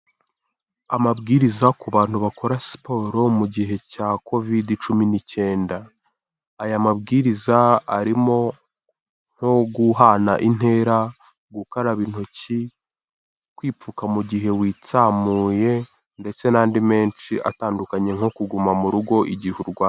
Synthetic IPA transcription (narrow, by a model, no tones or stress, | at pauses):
amabɡiɾizakuβaːn̥huβako̞ɾasi̥po̞ɾo̞muɟiɦe̞cakʰo̞vidit͡ʃuminice̞ːndaː | jamabɡiɾizaaɾimo̞ | ŋ̥ho̞ɡuɦanaʔin̥e̞ɾa | ɡukaɾaβin̥huci | kwiːp͡fukamuɟiɦe̞wiːt͡samuːje̞ | nde̞t͡se̞naːndime̞ːnt͡ʃiʔa̰taːndukaɲe̞ŋo̞kuɡumamuɾuɡo̞ʔiɟihuɾɡwaː